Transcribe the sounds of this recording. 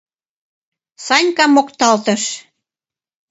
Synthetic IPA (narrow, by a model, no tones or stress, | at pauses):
sɑnʲkɑmːokt̪ɑlt̪ə̆ʃ